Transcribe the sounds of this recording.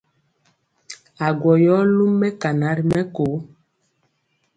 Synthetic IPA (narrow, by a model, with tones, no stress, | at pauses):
a˨ɡwɔ˨jɔ˦lu˦mːɛ˦ka˨na˨˦ɾi˨mɛ˦ko˨˦